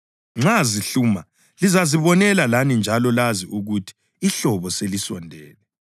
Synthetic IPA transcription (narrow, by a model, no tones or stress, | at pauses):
ŋ͡ǁaziɬuːma | lizaziβɔnɛlalanind͡ʒʱalɔlaziʔuɣutʰi̥ː | ɬɔβɔselisɔndʱɛ̰ːlɛ